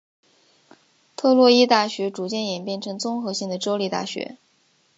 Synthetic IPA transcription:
t̪ʰɤ˥˧lwɔ˥˧i˥t̪a˥˩ɕɥɛ˧˥ʈ͡ʂu˨˩t͡ɕjɛ˥˩njɛ˨˩npjɛ˥˩nʈ͡ʂʰɤ˧˥ŋt͡sʊ˥ŋxɤ˧˥ɕi˥˩ŋd̪ə˩ʈ͡ʂo˥ʊli˥˧t̪a̰˥˩ɕɥɛ̰˧˥

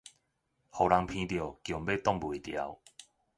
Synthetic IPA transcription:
hɔ˨˩wla˧ŋpʰĩ˧t̪jo˨˩kjmbe˥˧t̪ɔ˥˧˨ŋbu˨˩t̪ja˨˦w

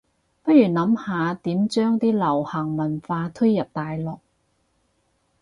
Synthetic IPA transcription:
pɐ˥t̚ɥyː˨˩nɐ˨˧˥mhaː˨˧t̪iː˨˥mt͡ʃœː˥ŋt̪iː˥lɐ˨˩whɐ˨˩ŋmɐ˨˩nfaː˧t̪ʰɵ˥jjɐ˨p̚t̪aː˨jlɔː˨k̚

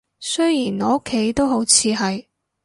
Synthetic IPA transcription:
sɵ˥jjiː˨˩nɔː˨˥o˥kʰːe˨˥jt̪o˥wɦo˨˥wt͡sʰiː˧ɦɐ˨j

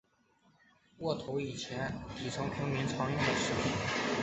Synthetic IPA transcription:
wɔ˥˩t̪ʰo˧˥ʊi˨˩t͡ɕʰjɛ˧˥nt̪i˨˩ʈ͡ʂʰɤ˧˥ŋpʰi˧˥ŋmi˧˥ŋʈ͡ʂʰɑ˧˥ŋjʊ˥˩ŋd̪ə˩ʂɻ̩˥˩pʰi˨˩˦n

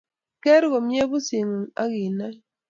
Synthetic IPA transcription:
kɛ˦ɾɡɔ˨mje˦bu˦si˨ŋ˨a̰˦ɡi˨na˦

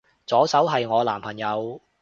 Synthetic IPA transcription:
t͡sɔː˨˥sɐ˨˥wɦɐ˨jŋɔː˨˧laː˨˩mpʰɐ˨˩ŋjɐ˨˧w

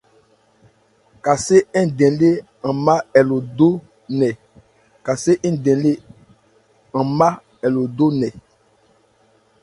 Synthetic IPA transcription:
ka˨se˦ɛ˦˨dɛ̃˨le˦ | ã˨ma˦ɛ˨lo˨do˦ | nɛ˨ | ka˨se˦ʔɛ̃˦˨dɛ̃˨le˦ | ã˨ma˦ | ɛ˨lo˨do˦nɛ˨

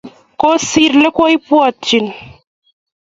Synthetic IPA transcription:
ko˦si˦ɾle˦ko˦i˦pu˦ɔ˦˨t͡ʃːi˨n

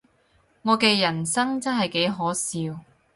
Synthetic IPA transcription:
ŋɔː˨˧ke˧jɐ˨˩nsɐ˥ŋt͡sɐ˥nɦɐ˨jke˨˥jɦɔː˨˥siː˨˧w

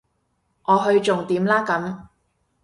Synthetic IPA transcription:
ʔɔː˨˧ɦɵ˧ɥt͡ʃʊ˨ŋt̪iː˨˥mlaː˥kɐ˨˥m

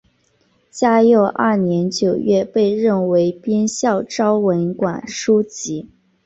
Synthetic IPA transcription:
t͡ɕja˥jo˥˧ʊʔɐ˥˩njɛ˧˥nt͡ɕjo˨˩ʊɥɛ˥˧pe˥˧ɪɻə˥˩nwe˧˥ɪpjɛ˥nɕjɑ˥˩ʊʈ͡ʂɑ˥ʊwə˧˥nkwa˨˩nʂu˥t͡ɕi˧˥

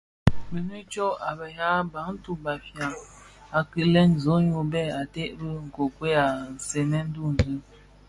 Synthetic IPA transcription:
bi˨ni˦t͡ʃo˦a˨bə˨ja˦ba˨˦ŋn̩˦tu˦˨ba˨fja˨ŋ | a˨ki˨lɛ˦nzo˨˦ɲu˨bɛ˦˨a˨te˦ʔbə˦ŋ̩˨ko˨kwe˦a˨n̩˨se˨nɛ˦n̩˦du˦˨n˨zɨ˦

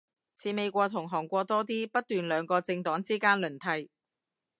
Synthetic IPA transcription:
t͡sʰiː˨˥me˨˧jkʷɔː˧t̪ʰʊ˨˩ŋɦɔː˨˩ŋkʷɔː˧t̪ɔː˥t̪iː˥pɐ˥t̚t̪yː˨nlœː˨˧ŋkɔː˧t͡sɪ˧ŋt̪ɔː˨˥ŋt͡siː˥kaː˥nlɵ˨˩nt̪ʰɐ˧j

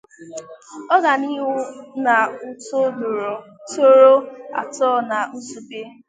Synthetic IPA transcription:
ɔ˦ɡa˨ni˦ɦʊ˦na˨u˨to˦ɡ͡b | to˦ɾo˦a̰˨tɔ˦˨na˨n̩˦zu˨be˦

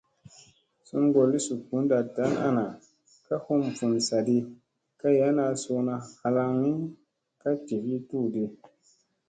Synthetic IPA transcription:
su˦nɡo˨lːi˦su˨ku˨˦n˦da˨ta˨˦na̰˦na˨ | ka˦ho˦mfu˨nsa˨di˧ | ka˦ja˦na˧so˧na˧ha˧la˧ŋi˦ | ka˦ti˨vi˦tu˦˨di˧

